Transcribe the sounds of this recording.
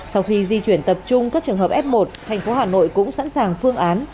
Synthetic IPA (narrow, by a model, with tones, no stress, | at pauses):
sa˧wxi˧zi˧t͡ɕwi˧˩ənt̪ə˨˩p̚t͡ɕʊ˧ŋ͡mkaː˦˥k̚t͡ɕɨ˨˩əŋɦəː˨˩p̚ʔɛ˦˥p̚mo˨˩t̚t̪ʰa˨˩jŋ̟fo˨˦ɦaː˨˩no̰˧˨jkʊ̰˧˥ŋ͡msa̰˧˥nsaː˨˩ŋfɨ˧əŋʔaː˨˦n